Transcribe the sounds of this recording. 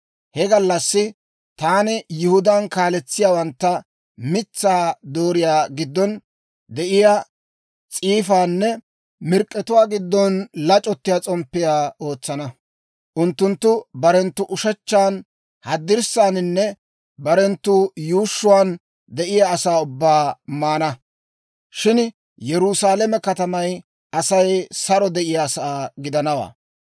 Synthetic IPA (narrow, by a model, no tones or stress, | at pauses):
hɛɡɐlːɐsːɪ | t̪aːnɪjʊhʊd̪aːnkaːlɛt͡sːɪjaːwɐnt̪ːɐ | mɪt͡sːaːd̪oːɾɪjaːɡɪd̪ːɔn | d̪ɛʔɪja | t͡sʼiːfaːnːɛ | mɪɾkʼːɛt̪ʊwaːɡɪd̪ːɔnlɐt͡ʃʼɔt̪ːɪjaːt͡sʼɔmpːɪjaːo̞ːt͡sːɐnɐ | ʔʊnt̪ːʊnt̪ːʊbɐɾɛnt̪ːʊʔʊʃɐt͡ʃːaːn | hɐd̪ːɪɾsaːnɪnːɛ | bɐɾɛnt̪ːʊjuːʃːʊwaːn | d̪ɛʔɪjaːsaːʊbːaːmaːnɐ | ʃɪn | jɛɾʊsaːlɛmɛkɐt̪ɐmɐj | ʔɐsɐjsɐɾɔd̪ɛʔɪjaːsɐaːɡɪd̪ɐnɐwa̰ː